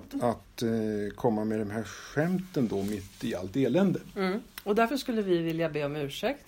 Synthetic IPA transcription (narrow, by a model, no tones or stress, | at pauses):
at̪kʰɔmːamɛd̪ɛnɦæɾɧɛmt̪ənd̪ɔmɪt̪ːɪa̰lt̪eːlɛnd̪əɔd̪æɾfəʂkɵlːəvɪvɪljabeːɔmʉ̟ːʂɛk̚t̪